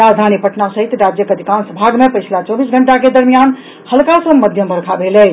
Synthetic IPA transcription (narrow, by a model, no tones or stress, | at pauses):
ɾad͡ʒd̪ʱanipəʈnasəɦit̪ɾad͡ʒjəkəd̪ʱikansəbʱaɡmepəjʰlat͡ʃobisɡʱəɳʈaked̪əɾmijan | həlkasə̃məd̪ʱjəmbʱəɾkʰabʱelɛ